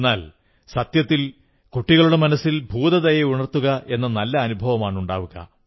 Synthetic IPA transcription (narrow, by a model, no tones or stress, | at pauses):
nːaːl | sɐt̪jɐt̪ːil | kuʈːiɣɐɭuɽe̞mɐnɐsːilbʱuːðɐðɐjeuɳɐrt̪ːuɣɐʔe̞nːɐnɐlːɐːnubʱɐʋɐmaːɳuɳɖa̰ːʋuɣɐ̰